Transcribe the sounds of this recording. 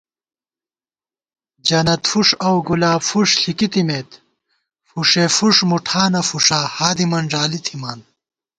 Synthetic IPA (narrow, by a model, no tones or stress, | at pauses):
d͡ʑɐnɐt̪fuʂɐwɡulaːbfuʂɬikit̪imeːt̪ | fuʂefuʂmuʈʰaːnɐfuʂaːhaːd̪imɐnʐaːlit̪ʰimaːn